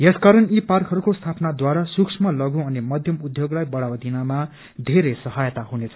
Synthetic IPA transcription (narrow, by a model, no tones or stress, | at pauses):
jeskaɾʌniparkɦʌɾukost̪ʰapnad̪waɾasuksʰmʌlʌɡũʌnimʌd̪ʱjʌmud̪ʱjoɡlajbʌɽawd̪ʱinama | d̪ʱeɾesʌɦʌjt̪aɦunet͡sʰʌ̥